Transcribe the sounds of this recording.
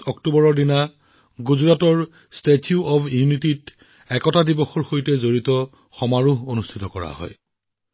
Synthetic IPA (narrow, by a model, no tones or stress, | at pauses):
ɔktubɔɹɔɹdina | ɡuzuɹatɔɹ | stetʰiuʔɔbjuunitit | ɛkɔtadibɔxɔɹxojtɛzoɹitɔ | xɔmaɹuɦonustʰitɔkɔɹa̰ɦɔ̰j